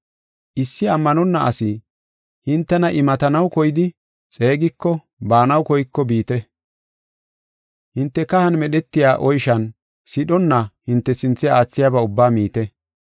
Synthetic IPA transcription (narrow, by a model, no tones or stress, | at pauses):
ʔɪsːɪɐmːɐnɔnːɐʔɐ̰sɪ | hɪnt̪ːɛnɐʔɪmɐt̪ɐnɐwkɔjɪd̪ɪ | t͡sʼe̞ːɡɪkːɔ | baːnɐwkɔjɪkːɔbiːt̪ɛ | hɪnt̪ːɛkɐhɐnmɛɗɛt̪ːɪjaːʔɔjʃɐn | sɪɗɔnːɐhɪnt̪ːɛsɪnt͡sːɛaːt͡sːɪjaːbɐʊbːaːmiːt̪ɛ